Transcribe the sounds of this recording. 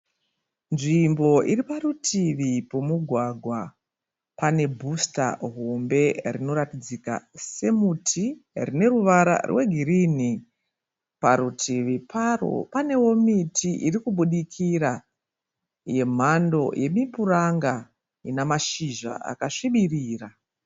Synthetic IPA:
nʐimbo̞ʔiɾiparutʰiʋipomuɡʱwaɡʱwa | pane̞bʱusta̰ɦombe̞rino̞ɾatid͡zika̰se̞mutʰirine̞ruʋaɾa̰rwe̞ɡʱiɾini | paɾutʰiʋiparo̞̰pane̞wo̞mitʰiʔirikuɓuɗikʰiɾa | je̞m̤ando̞̰je̞mipuraŋɡa | inamaʃiʒa̰a̰kaʂiɓiriːra

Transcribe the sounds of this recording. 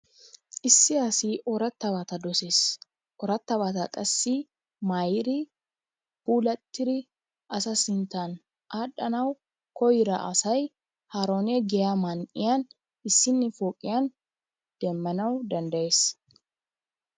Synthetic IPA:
ʔɪsːɪaːsiʔɔɾɐt̪ːɐβat̪ɐd̪ɔseːs | ʔɔɾɐt̪ːɐβaːt̪ɐkʼɐsːi | maːjɪɾɪ | buːlɐt̪ːɪɾɪ | ʔɐsɐsɪnt̪an | ʔaːɗɐnɐw | kɔjɪɾɐʔɐ̰sɐj | haːɾo̞ːnɛɡɛjamɐnʔɪ̰jan | ɪsːɪnːɪfoːkʼɪjan | d̪̥ɛmːɐnɐwd̪ɐnd̪ɐje̞ːs

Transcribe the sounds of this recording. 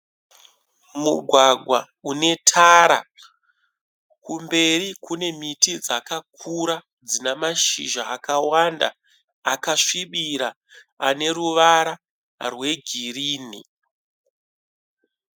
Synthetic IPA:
muɡʱwaɡʱwa | une̞tʰaɾa̰ | kumbe̞ɾikune̞mitid͡zakak̚ʰuɾa | d͡zinamaʃḭʒaːkawanda̰ː | kaʂiɓiɾaː | ne̞ɾuʋaɾa | rwe̞ɡʱiriːnḭ

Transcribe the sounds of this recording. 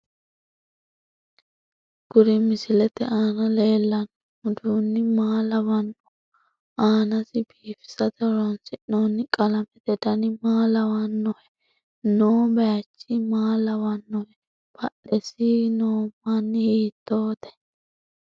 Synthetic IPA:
ɡ̥ʊɾɪmɪsɪlɛt̪ɛʔaːnɐle̞ːlːɐn | ʊd̪unːɪmaːlɐwɐnːɔ | aːnɐsɪbiːfɪ̥sɐt̪ɐɾɔnsɪʔnonːɪkʼɐlɐmɛt̪ɛd̪ɐnɪmaːlɐwɐnːɔhɛ | noːbɐjɐt͡ʃːɪmaːlɐwɐnːɔhɛ | b̥ɐɗɛsinoːmːɐnːhiːt̪ːoːt̪ɛ̥

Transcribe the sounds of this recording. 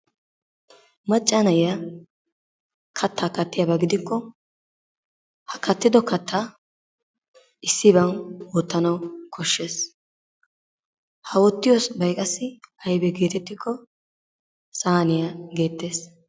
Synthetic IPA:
mɐt͡ʃʼːanɐjja | kʰɐt̪ʰːaːkɐt̪ːɪjɐbɐɡɪd̪ɪkːɔ | hɐkɐt̪ːɪd̪ɔkɐt̪ːa | ɪsːɪβɐnwɔt̪ːɐnɐwkʰɔʃːe̞ːs | hɐwɔt̪ːɪjɔsbɐjkʼɐsːɪɐjbɛɡe̞ːt̪ɛt̪ːɪkʰːɔ | sʼaːnɪjaɡe̞ːt̪ːe̞ːs

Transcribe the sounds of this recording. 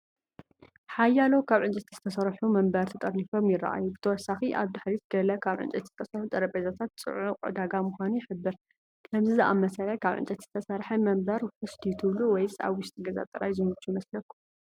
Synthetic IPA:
ħajːalo̞kʰaβʕɨnt͡ʃʼɐt̪z̥ɨt̪ʰɐsɐɾħumɐmbɐɾt̪ʰɐt̪ʼɐɾnifo̞mjɪra̰ʔa̰jubɨt̪ʰɐwɔsːaxiʔaβd̪aħɾizɨɡɐlɐkʰaβʕɨ̰nt͡ʃʼɐt̪z̥ɨt̪ʰɐsɐħut̪ʼɐɾɐpʼezat̪ʰat̪̚t͡sʼɨ̰ʕuqʼɨ̰d̪aɡamʊxʷanuħɨbːɨɾ | kʰɐmzizɨʔa̰mːɐsɐlajkʰaβʕɨ̰nt͡ʃʼɐt̪z̥ɨt̪ʰɐsɐɾħɐmɐmbɐɾfɨst̪ʰit̪ʰɨβluwɔjsa̰βwʊʃt̪ʼiɡɐza̰t̪ʼɐlajzɨmɨt͡ʃʰːumɐslɐkʰːu

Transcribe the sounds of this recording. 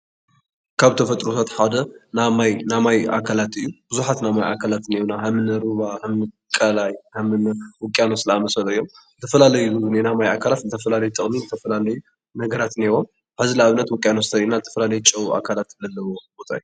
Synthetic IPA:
kʰaβt̪ʰɐfɐt̪ʼɾot̪ʰat̪ħad̪ɐnamajnamaja̰kʰalat̪ɨjːub̥ɨzuħat̪namaja̰kʰalat̪newunaɦɐmɨnɨɾuβahɐmɨkʼɐlajhɐmɨnwɔkʼːjanosɨlaamɐsɐloɨjːo̞m | zɨt̪ʰɐfɐlalɐjuunenamajakʰalat̪zɨt̪ʰɐfɐlalɐjut̪ʼɨχʼmizɨt̪ʰɐfɐlalɐju | nɐɡɐɾat̪newom | ħazilaβɨnːɐt̪wʊkʼjanosɨt̪ʰɐɾinazɨt̪ʰɐ̥fɐlalɐjut͡ʃʼɐwuʔa̰kʰalat̪ɨlɐlːɐwobot̪ʼa̰ju

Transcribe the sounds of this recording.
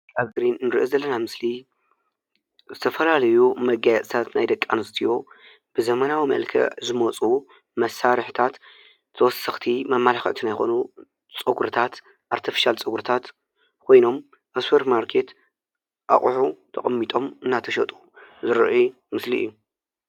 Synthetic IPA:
aβɡɾinnɨɾiʔozɐlːɐnamɨsli | zɨt̪ʰɐfɐlalɐjumɐɡajɛt͡sʼt̪ʰat̪najd̪ɐkʼːanɨst̪ʰijo̞ | b̥ɨzɐmɐnawimɐ̰lkʰɐ̰ʕzɨmot͡sʼu | mɐsaɾɨħt̪ʰat̪ | t̪ʰːɐwɔsːɐxt̪ʰimɐmːalaxɨ̰ʕt̪ʰinajxo̞̰nu | t͡sʼɨɡɾɨt̪ʰat̪ | ʔaɾt̪ʰifi̥ʃalt͡sʼɨɡuɾɨt̪ʰat̪ | kʰo̞jno̞m | ʔɐspʰeɾt̪maɾkʰe̞t̪ | ʔa̰χʼħut̪ʰɐχʼɐmːit̪ʼo̞mɨnːat̪ʰɐʃɐt̪ʼu | zɨɾ̰ʔu | mɨsliʔɨ̰jːu

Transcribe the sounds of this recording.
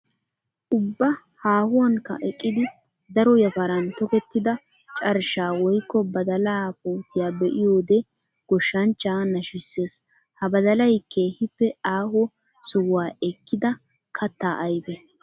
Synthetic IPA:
ʔʊbːɐ | haːhʊwɐŋkːɐ̰ʔɛkʼːɪd̪ɪ | d̪ɐɾɔjɐfɐɾɐnt̪ɔkɛt̪ːɪd̪ɐ | t͡ʃʼɐɾʃaːwɔjkːɔbɐd̪ɐlaːpuːt̪ːɪjaːbɛʔɪjoːd̪ɛ | ɡ̥ɔʃːɐnt͡ʃːaːnɐʃɪsːe̞ːs | hɐbɐd̪ɐlɐjkːehɪpːɛaːhɔ | sɔwaːɛkːɪd̪ɐ | kʰɐt̪ːaːʔɐjbɛ

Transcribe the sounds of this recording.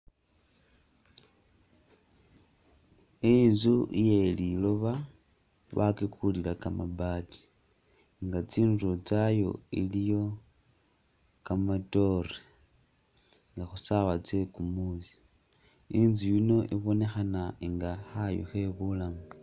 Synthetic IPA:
inzuijelilo̞βa | βa̰kekʰulilakamabati̥ | ŋɡat͡siːnuɾot͡sajo̞̰ilijo̞ | kamato̞re | ŋɡaxusaβat͡sekumuzi̥ | inzijino̞ʔiβo̞ne̞xanaiŋɡaxajo̰xe̞βulamu

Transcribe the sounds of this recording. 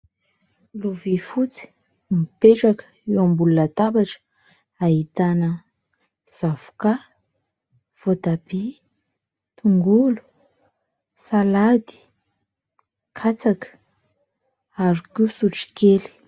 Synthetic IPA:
luvifut͡si̥ | mipeʈ͡ʂakə̥ | ewambulunat̪abaʈ͡ʂə̥ | aɦit̪anə | z̥avu̥ka | v̥ot̪abi | t̪uŋɡulu̥ | salad̪i̥ | kʰat͡sakə̥ | aɾikusuʈ͡ʂi̥keli̥

